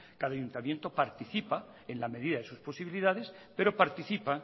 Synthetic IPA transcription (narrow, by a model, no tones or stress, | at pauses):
kaðaːʝunt̪amjent̪o̞paɾt̪iθipa | e̞nlame̞ðiðaðe̞suspo̞siβiliðaðe̞s | pe̞ɾo̞paɾt̪iθipa